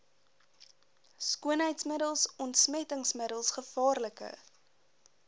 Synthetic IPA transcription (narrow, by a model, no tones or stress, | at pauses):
skuənɦəjtsmədəlˠsɔntsmɛtəŋsməɾəlˠsχəfɑːrləkə̰